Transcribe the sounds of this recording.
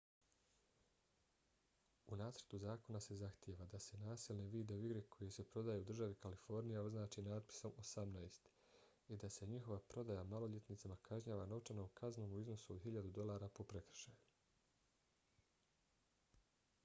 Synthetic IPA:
unaːsɾt̪uzaːko̞nase̞zaxt̪jeʋad̪ase̞naːsiːlˠneʋiːd̪euiɡɾe̞kʰo̞jese̞pɾo̞d̪aːjeud̪r̩ʒaʋikalifo̞ɾnijao̞znaːt͡ʃinaːd̪̚pi̥so̞mosamnaest̪ | id̪ase̞ɲixo̞ʋapɾo̞d̪ajamalo̞ʎe̞t̪nit̪samakʰaʒɲaːʋano̞t͡ʃanoːmkʰazno̞ːmuizno̞suod̪ɦiʎad̪ud̪o̞lˠaːɾapo̞pɾe̞kr̩̥ʃaju

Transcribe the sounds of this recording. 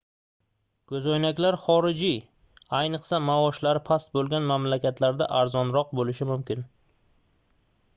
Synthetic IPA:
kʰɵzɒjnakʲlaɾχɒɾɪd͡ʒi | ajnɨqsamaɒʃlaɾɪpʰast̪̚bolˠɡʲanmamlakʲat̪ʰlaɾd̪a̰ʔaɾzɒnɾɒq̚bolɪʃɪmʊmkʲɪn

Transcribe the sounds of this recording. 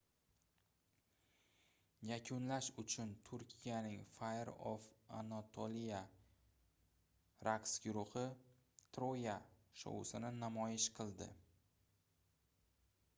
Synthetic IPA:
jakʲʰʊnlaʃʊt͡ʃʰʊnt̪ʰʊɾkʲʰijanɪŋfajɾo̰fa̰nat̪ʰolija | ɾaksɡʲʊɾʊχɨ | t̪ʰɾojaʃo̰wʊ̰sɪnɪnamɒjɪʃqʰɨlˠd̪ɪ̰

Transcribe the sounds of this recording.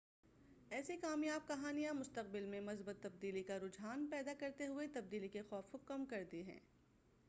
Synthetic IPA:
ɛːsekaːmjaːb̚kɐɦaːnijãmʊst̪əq̚bɪlmẽmɐzbət̪ːɐb̚d̪iːlikaɾʊd͡ʒɦaːnpɛːd̪akɐɾt̪eɦʊet̪ɐb̚d̪iːlikexɔːfʊkɐmkɐɾd̪iɦɛ̰̃ː

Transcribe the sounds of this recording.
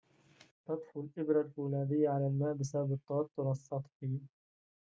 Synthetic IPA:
t̪ɑd̪ˤħulʔɪbɾalʔuːlaːd̪ɪjːaʕalaːlmaːʔbɪsababɨt̪ˤːawɑt̪ːʊɾˤɑsˤːɑt̪ˤħiː

